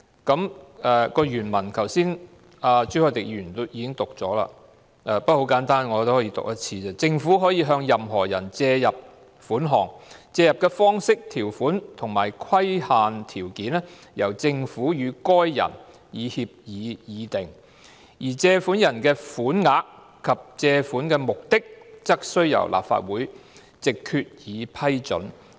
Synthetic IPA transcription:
kɐ˨˥mɛː˧kɔː˧jyː˨˩nmɐ˨˩nkʰɐ˨˩wsiː˥n | aː˨t͡sy˥hɔː˨˧˩t̪ɪ˨k̚jyː˨˩nt̪o˥jiː˨˧kɪ˥ŋt̪ʊ˨k̚t͡sɔː˨˥la̰ː˧ | ʔɛː˧pɐ˥t̚ho˨˧˥wkaː˨˥nt̪aː˥nŋɔː˨˧t̪o˥whɔː˨˥jiː˧t̪ʊ̰˨k̚jɐ˥t̚t͡sʰiː˧t͡sɛː˥t͡sɪ˧ŋfuː˨˥ɦɔː˨˥jiː˨˧ɦœː˧ŋjɐ˨mɦɔː˨˩jɐ˨˩nt͡sɛː˧jɐ˨p̚ | fuː˨˥nɦɔː˨˩ŋt͡sɛː˧jɐ˨p̚kɛː˧fɔː˥ŋsɪ˥k̚t̪ʰiː˨˩wfuː˨˥nt̪ʰʊ˨˩ŋmaː˨˩jkʰwɐ˥jhaː˨nt̪ʰiː˨˩wkiː˨˥nɛ˥ | jɐ˨˩wt͡sɪ˧ŋfuː˨˥jyː˨˧kɔː˥jːɐ̰˨˩n | jiː˨˧hiː˧p̚jiː˨˧jiː˨˧t̪ɪ˨ŋ | jiː˨˩t͡sɛː˧fuː˨˥njɐ˨˩nkɛː˧fuː˨˥nŋaː˨˧k | kʰːɐ˨p̚t͡sɛː˧fuː˨˥nkɛː˧mʊ˨k̚t̪ɪ˥k̚t͡sɐ˥k̚sɵ˥ɥjɐ̰˨˩wlʔa̰ː˨pfa̰ː˧t̚wuː˨˥j | t͡sɪ˨kʰːyː˧t̚jiː˨˧pʰɐ˥jt͡ʃɵ̰˨˥n

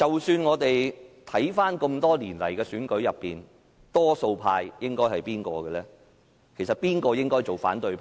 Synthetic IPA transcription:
t͡sɐ˨wsyː˧nŋɔː˨˧t̪e˨jt̪ʰɐ˨˥jfaː˥nko˧mt̪ɔː˥liː˨˩nlɐ˨˩jkɛː˧syː˨˥nkɵ˨˥ɥjɐ˨pːiː˨n | t̪ɔː˥so˧wpʰaː˧jjɪ˥ŋkɔː˥jhɐ˨jpiː˥nkɔ̰ː˧ɡɛ˧lɛː˥ | kʰe˨˩js̬ɐ˨t̚piː˥nkɔː˧jɪ˥ŋkɔː˥jt͡so˨˩wfa̰ː˨˥nt̪ɵ˧ɥpʰ

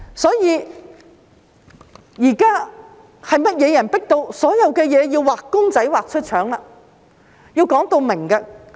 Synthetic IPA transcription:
sɔː˨˥jiː˨˧ | jiː˨˩kaː˥ | hɐ˨jmɐ˥t̚jɛː˨˧jɐ˨˩npɪ˥k̚t̪o˧wsɔː˨˥jɐ˨˧wkɛː˧jɛː˨˧jiː˧wwaː˨kːʊ˥ŋt͡sɐ˨˥jwaː˨˩k̚t͡ʃʰɵ˥t̚t͡ʃʰœː˨˥ŋlaː˧ | ji˧wkɔː˨˥ŋt̪o˧wmɪ˨˩ŋkɛ˧

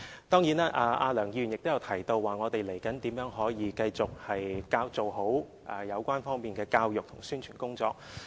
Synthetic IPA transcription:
t̪ɔː˥ŋjiː˨˥naː˥ʔaː˧ʔaː˧lœː˨˩ŋjiː˧jy˨˩nɪkt̪jɐ˨˧wt̪ʰɐ˨˩jt̪o˧wːaː˨˩ŋɔː˨˧t̪e˨jle˨˩jkɐ˨˥nt̪iː˨˥mjœː˨˥ŋɦɔː˨˥jiː˨˧kɐ˧jt͡sʊ˨k̚hɐ˨jkaː˧wt͡so˨wɦo˨˥w | ʔɐ˨jɐ˨˧wkʷaː˥nfɔː˥ŋpiː˨nkɛː˧kaː˧wjʊ˨k̚t̪ʰʊ˨˩ŋsyː˥nt͡ʃʰyː˨˩nkʊ˥ŋt͡sɔː˧k̚

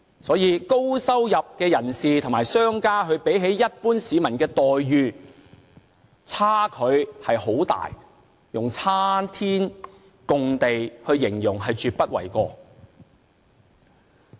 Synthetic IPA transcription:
sɔː˨˥jiː˨˧ko˥wsɐ˥wjɐ˨p̚kɛː˧jɐ˨˩nsiː˨t̪ʰʊ˨ŋmaː˨˩jsœː˥ŋkaː˥ɦɵ˨˧ɥpe˨˥jɦe˨˥jjɐ˥t̚puː˥nsiː˨˧mɐ˨˩nkɛː˧t̪ɔː˨jːyː˨˧ | t͡sʰaː˥kʰɵ˨˧ɥhɐ˨jho˨˥wt̪a̰ː˨j | jʊ˨ŋt͡sʰaː˥nt̪ʰiː˥n | kʊ˨ŋt̪e˨jhɵ˧ɥjɪ˨˩ŋjʊ˨˩ŋɦɐ˨jt͡ʃyː˨˧t̚pɐ˥t̚wɐ̰˨˩jkɔː˧

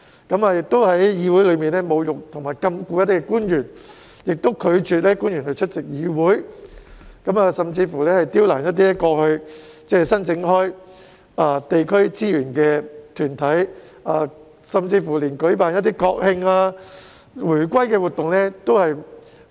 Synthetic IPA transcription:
kɐ˨˥maː˧jɪ˨k̚t̪o˥whɐ˨˥jjiː˨˧wu˨˥jlɵ˨˧ɥmiː˨nɛː˥mo˨˧wjʊ˨k̚t̪ʰʊ˨˩ŋmaː˨˩jkɐ˧mkuː˧jɐ˥t̪iː˥kːɛ˧kuː˥njyː˨˩n | jɪ˨k̚t̪o˥wkʰɵ˨˧ɥt͡ʃyː˨t̚lɛː˥kuː˥njy˨˩nhɵ˧ɥt͡ʃʰɵ˥t̚t͡sɪ˨k̚jiː˨˧wuː˨˥j | kɐ˨˥maː˧sɐ˨mt͡siː˧fuː˨˩lɛː˥hɐ˨jt̪iː˥wlaː˨˩njɐ˥t̪̬̚iː˥lɛ˥kɔː˧hɵ˧ɥ | t͡sɛː˥sɐ˥nt͡sɪ˨˥ŋhɔː˥j | aː˧t̪e˨jkʰɵ˥ɥt͡siː˥jyː˨˩nkɛː˧t̪ʰyː˨˩nt̪ʰɐ˨˥j | aː˧ | sɐ˨mt͡siː˧fuː˨˩liː˨˩nkɵ˨˥ɥpaː˨njɐ˥t̬̪̚ːiː˥kɔː˧k̚hɪ˧ŋaː˧ | wuː˨˩jkʷɐ˥jkɛː˧wu˨t̪ʊ˨ŋlɛː˥t̪o˥whɐ˨j

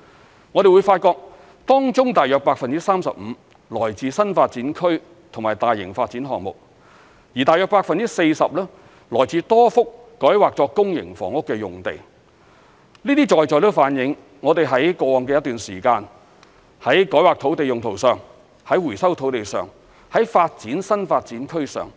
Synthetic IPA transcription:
ŋɔː˨˧ɾe˨jwu˨˧jfaː˧t̚kɔː˧k̚ | t̪ɔː˥ŋt͡sʊ˥ŋt̪aː˨jœː˨˧k̚paː˧k̚fɐ˨nt͡si˥saː˥msɐ˨p̚m̩˨˧ | lɔː˨˩jt͡siː˨sɐ˥nfaː˧t̚t͡siː˨˥nkʰɵ˥ɥ | t̪ʰʊ˨˩ŋmaː˨˩jt̪aː˨˩jɪ̰˨˩ŋfaː˧t̚t͡siː˨˥nɦɔ̰ː˨˩ŋmʊ̰˨k̚ | jiː˨˩t̪aː˨jœː˨˧k̚paː˧k̚fɐ˨nt͡si˥se˧jsɐ˨p̚lɛː˥ | lɔː˨˩jt͡siː˨˧t̪ɔː˥fʊ˥kː | ɔː˨˥jwaː˨k̚t͡sɔː˨˧kʊ˥ŋjɪ̰˨˩ŋfɔ̰ː˨˩ŋʊ˥kːɛː˧jʊ˨ŋt̪e˨j | nliː˥t̪iː˥t͡ʃɔː˨jt͡sɔː˨jt̪o˥wfaː˨˥njɪ˨˧ŋ | ŋɔː˨˧t̪e˨jɦɐ˨˥jkɔː˧ŋkɛ˧jɐt̪yː˨nsiː˨˩kaː˧n | hɐ˨˥jkɔː˨˥jwaː˨k̚t̪ʰo˨˥wt̪e˨jʊ˨ŋt̪ʰo˨˩wsœː˨˩ŋ | hɐ˨˥jwuː˨˩jsɐ˥wt̪ʰo˨˥wt̪e˨jsœː˨ŋ | hɐ˨˥jfaː˧t̚t͡siː˨˥nsɐ˥nfaː˧t̚t͡siː˨˥nkʰɵ˥ɥsœ̰ː˨ŋ

